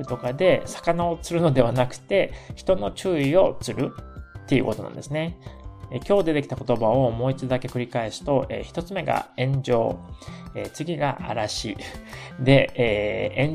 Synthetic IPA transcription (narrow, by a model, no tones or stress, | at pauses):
ɯ̟t̪o̞kad̪e̞sḁkanao̞t͡sɨɾɯ̟no̞d̪e̞β̞anakɯ̟̥t̪e̞çi̥t̪o̞no̞t͡ɕɨːio̞t͡sɨɾɯ̟t̪ːe̞iɯ̟̰ko̞t̪o̞nã̰nd̪e̞sɨneekʲo̞ːd̪e̞t̪e̞kʲi̥t̪ako̞t̪o̞bao̞mo̞ːit͡ɕid̪o̞d̪ake̞kɯ̟ɾʲikaesɨ̥t̪o̞ʔeːçi̥t̪o̞t͡sɨme̞ɡa̰ẽ̞ɲd͡ʑo̞̰ːeːt͡sɨɡʲiɡa̰ʔa̰ɾaɕḭ | d̪e̞eːẽɲ